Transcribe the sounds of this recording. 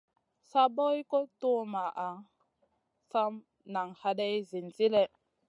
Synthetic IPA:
sa˦bo˦i˦ko˦tu˦ma˨ʔa˨ | sa˦m | na˨ŋha˦ɗa˦jzi˨nt͡si˦le˦

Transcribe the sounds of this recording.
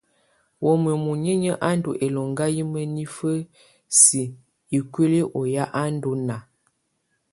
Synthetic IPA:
wo˨mə˨mu˨ɲə˦ɲə˦ʔa˦n˦do˨ʔe˨lo˨ŋɡa˦ji˦mə˦ni˦fə˦ | si˨ | i˨kwe˦li˦ʔo˨ja˦ʔa˦n˦do˦na˨

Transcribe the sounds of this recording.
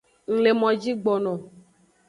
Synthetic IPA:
ŋ̩˨le˨mɔ̃˨d͡ʒi˦ɡ͡bɔ˨nɔ̃˨

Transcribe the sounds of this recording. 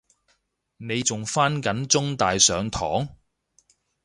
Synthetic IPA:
ne˨˧jt͡sʊ˨ŋfaː˥nkɐ˨˥nt͡sʊ˥ŋt̪aː˨jsœː˨˧ŋt̪ʰɔ̰ː˨˥ŋ

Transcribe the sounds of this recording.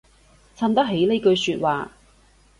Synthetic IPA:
t͡sʰɐ˧mt̪ɐ˥k̚ɦe˨˥jle˨˧jkɵ˧ɥsyː˧t̚waː˨

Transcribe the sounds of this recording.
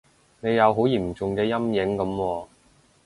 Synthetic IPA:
ne˨˧jɐ˨˧wɦo˨˥wjiː˨˩m̩˨˩t͡sʊ˨ŋkɛː˧jɐ˥mjɪ˨˥ŋkɐ˨˧˥mwɔː˧

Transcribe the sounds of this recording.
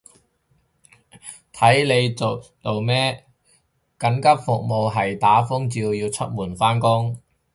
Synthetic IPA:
t̪ʰɐ˨˥jle˨˧jt͡so˨t͡s̪o˨wmɛː˥ | kɐ˨˥nkɐ˥p̚fʊ˨k̚mo˨wɦɐ˨jt̪aː˨˥fʊ˥ŋt͡siː˧wjiː˧wt͡sʰɵ˥t̚muː˨˩nfaː˥nkʊ˥ŋ

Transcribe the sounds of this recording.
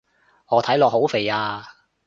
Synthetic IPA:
ŋɔː˨˧t̪ʰɐ˨˥jlɔː˨k̚ho˨˥wfe˨jaː˧

